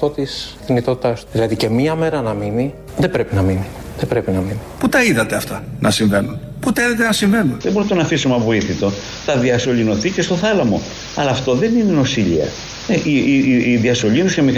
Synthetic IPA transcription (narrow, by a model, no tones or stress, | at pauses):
t̪ot̪isθinit̪ot̪it̪ɐsðilɐðice̞mɲɐme̞ɾɐnɐmini | ðe̞bɾe̞pinɐmini | ðebɾe̞pinɐminiput̪ɐiðɐt̪e̞ɐft̪ɐnʔɐsiɱve̞nun | put̪ɐiðɐt̪enɐsiɱve̞nunðeboɾit̪onɐfisumɐvo̞iθit̪o̞ | θɐðiɐso̞ʎino̞θicest̪o̞θɐlɐmo̞ | ɐlɐːft̪o̞ðe̞nineno̞siʎḭɐ̰ | eʔiiðiɐso̞ʎinuscemi